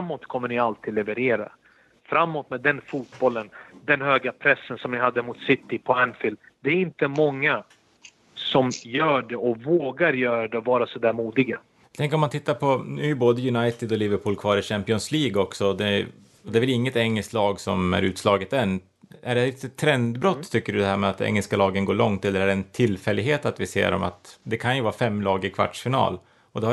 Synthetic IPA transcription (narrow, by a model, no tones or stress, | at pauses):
amːoːt̪kʰɔmːəɳɪalt̪ʰiːd̪lɛvəɾeːɾa̰ | fɾamːoːt̪mɛːd̪ɛnfuːt̪bɔlːənd̪ɛnhøːɡapʰɾɛsːənsɔmnɪhad̪ːəmʊt̪sɪt̪ːɪpʰɔænfɪld̪ | d̪ɛæɾɪnt̪əmɔŋːa | sɔmjœːɖɛɔvoːɡaɾjœːɾaɖɛɔvɑːɾasɔd̪æːɾmuːd̪ɪɡa | jt̪ʰɛŋkəɾɔmant̪ʰɪt̪ːaɾpʰɔnʉæɾjʉboːd̪əjɵnajt̪ɪd̪ɔlɪvəɾpʰuːlkʰvɑːɾɪɕæmpɪɔnsliːɡɔksɔd̪ɛ | ɔd̪ɛːvɛlɪŋːət̪ɛŋːɛlskt̪lɑːɡsɔmæ̰ɾʉ̟ːt̪slɑːɡət̪ɛnː | æɖɛɪt̪ɛt̪ʰːɾɛnd̪bɾɔt̪ʰːʏkːəɖɵd̪ɛɦæːɾmɛat̪ɛ̰ŋːɛlskalɑːɡənɡoːɭɔŋt̪ɛlːəɾæɖɛːnt̪ʰɪlfɛlːɪɡɦeːt̪at̪vɪsḛːɾɔ̰ma̰t̪d̪ɛkʰanjɵvɑːfɛmːlɑːɡɪkʰva̰ʈːʂfɪnɑ̰ːl | ɔd̪ɛh